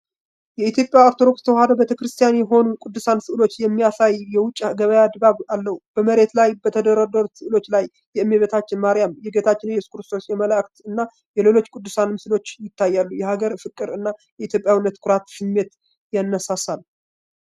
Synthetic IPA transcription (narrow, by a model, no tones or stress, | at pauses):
jɛit̪jo̞pʼjaoɾt̪ʰo̞d̪okst̪ʰəwad̪əbet̪ʰəkɾɨst̪ʰijanjɛɦo̞nukʼud̪ːɨsansɨʔɨlo̞t͡ʃːjɛmːijasajjɛwʊt͡ʃʼːɡəβəjad̪baβalːəhub̥əməɾe̞t̪lajbət̪ʰəd̪əɾad̪əɾusɨʔɨlo̞t͡ʃːlajːɛɨmːeβet̪ʰat͡ʃːɪnmaɾijamjɛɡet̪ʰat͡ʃːɪnjɛsu̥kɾɨst̪ʰo̞sjɛmələkt̪ɨnːa | jɛle̞lo̞t͡ʃːkʼud̪ːɨsanmɨsɨlo̞t͡ʃːjɪt̪ʰːajːalːujɛhaɡəɾfɨkʼːɨɾɨnːajɛit̪jo̞pʼjawinːət̪kʰʊɾat̪sɨmːe̞t̪ | janːəsasal